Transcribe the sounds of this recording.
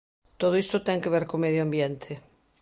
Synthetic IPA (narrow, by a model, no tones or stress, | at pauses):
t̪oðoist̪ot̪ɛŋkeβ̞eɾkomeðjoambjent̪ʰe